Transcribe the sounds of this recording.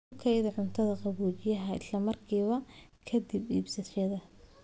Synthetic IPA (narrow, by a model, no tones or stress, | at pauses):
kʰɛjðɐʕʊnt̪ʰɐðɐqɑβuːt͡ʃɪjɐɦɐʔɪ̰slɐmɐrkʰiːβɐkʰɐd̪ibiːbsɐʃɐðɐ